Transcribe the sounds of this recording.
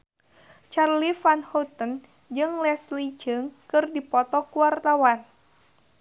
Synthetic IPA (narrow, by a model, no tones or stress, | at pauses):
t͡ʃarlifanhut̪ən | d͡ʒɨŋlɛslid͡ʒɨŋkɨrdipɔt̪ɔkuwart̪awan